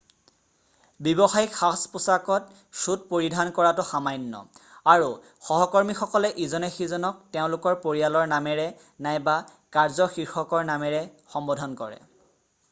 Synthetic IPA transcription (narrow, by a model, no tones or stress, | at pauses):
bjibɔxajxʰaspusakɔt | sut̚poɹidʱankɔɹatʊxamajnːɔ̰aɹu | xɔɦɔkɔɹmixɔkɔlɛʔizɔnɛxizɔnɔk̚teʊ̃lʊkɔɹpoɹijalɔɹnamɛɹɛ | najba | kaɹzɔxiɹxɔkɔɹnamɛɹɛxɔmbɔdʱɔnkɔɹɛ̰